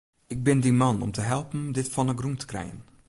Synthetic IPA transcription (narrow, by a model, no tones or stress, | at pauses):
ɪɡ̚bɪndimɑnɔ̰mtəɦɛlˠpəndɪtfɑnəɡruntʰə̥krɛ̰jə̰n